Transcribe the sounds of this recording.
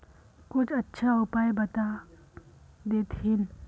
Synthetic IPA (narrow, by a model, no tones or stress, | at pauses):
kʊt͡ʃʰɐtːʃʰaʊpaːjbɐt̪a | d̪eːt̪ʰɪn